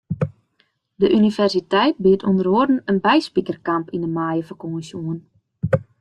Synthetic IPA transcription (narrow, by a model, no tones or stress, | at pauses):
dəʔynivɛrsitɛjt̚biətʰondəroərdn̩ənbɛjspikərkampindəmaːjəfɔkoməsjuən